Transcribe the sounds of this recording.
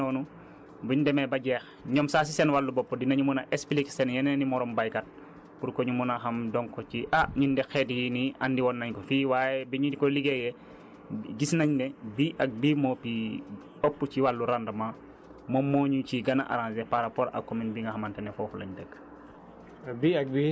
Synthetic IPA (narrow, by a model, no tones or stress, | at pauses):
ɔːnu | biɲdɛmɛbɐɟɛːx | ɲɔmsaːs̬isɛnwalːubɔpːudinɐɲumunɐʔɛspliksɛnjɐnɛnimɔɾɔmbajkat̚ | puɾkɔɲumunaxɐmdɔŋkɔciʔaɲindɛxɛtjiniandiwɔnːɐɲkɔfiːwajɛbiɲudikɔliɡɛjɛ | ɟisnɐɲnɛbiːʔɐk̚biːmɔpi | bɔpːuciwalːuɾandɐma | mɔmːɔːɲuciɡɐnaʔa̰ɾãnsɛpaɾapɔːɾʔɐ̰kːɔminbiŋɡɐxɐmantɛnɛfɔːfulɐ̰ɲdəkː | biɐk̚bi